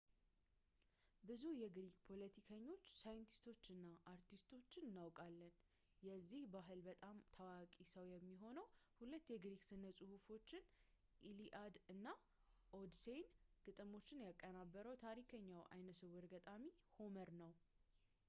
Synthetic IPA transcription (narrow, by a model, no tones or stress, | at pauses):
bɨzujɛɡɾiɡpʰo̞lət̪ʰikʰəɲːo̞t͡ʃːsajɨnt̪ʰi̥st̪ʰo̞t͡ʃːɨnːaʔaɾt̪ʰist̪ʰo̞t͡ʃːɪnɨnːawkʼalːən | jɛzːihbaɦɨlbət̪ʼamt̪ʰawakʼisəwjɛmːiɦo̞nəwhulət̪ːjɛɡɾiɡsɨnːəsʼuhufo̞t͡ʃːɪn | ʔiliʔad̪ɨnːa | ʔod̪se̞jnɡ̥ʼɨt̪ʼɨmo̞t͡ʃːɪnjakʼːənabːəɾəwt̪ʰaɾikʰəɲːawʔa̰jnəsɨwɨɾɡət̪ʼamiho̞məɾnəw